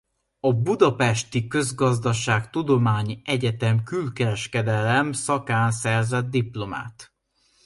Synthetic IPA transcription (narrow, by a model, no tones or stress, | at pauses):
ɒbud̪ɒpɛʃt̪ikø̞zɡɒzd̪ɒʃaːkt̪ud̪o̞maːɲiʔɛɟɛt̪ɛmkylkɛɾɛʃkɛd̪ɛlɛmsɒkaːnsɛrzɛd̪̚ːiplo̞ma̰ːt̪